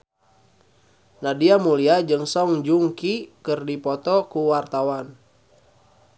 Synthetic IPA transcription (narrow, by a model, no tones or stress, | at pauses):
nadiamuliad͡ʒɨŋsɔŋd͡ʒuŋkikɨrdipɔt̪ɔkuwart̪awan